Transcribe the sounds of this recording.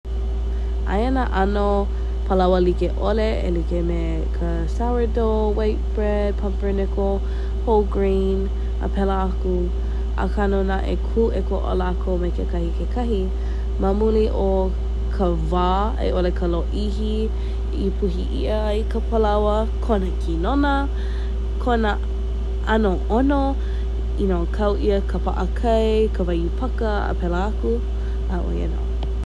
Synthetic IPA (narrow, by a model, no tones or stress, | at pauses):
ʔa̰jənaʔɐno | pʰəlɐwəlikeʔoleḛlikeme | kʰə | sawədo | waɪt̚b̥ɹɛd̚pʰɐmpənɛko | hoɡɹi | n | ə̰pʰɛləaku | ʔa̰kʰanonaʔḛkʰuʔekoʔo̰lakʰomekʰekʰɐhikʰekʰɐɦi | mɐmuliʔo | kʰə | vaː | ḛʔolekʰəloʔiɦi | ipʰuɦiʔḭə | ikəpʰəlɐwə | kʰonəkʰinonə | kʰonə | ʔɐnoʔono | inokʰɐwʔiəkʰəpa̰ʔəkʰɐjkʰəvɐjupʰɐkəə̰pɛləaku | aʔo̰iḛno̰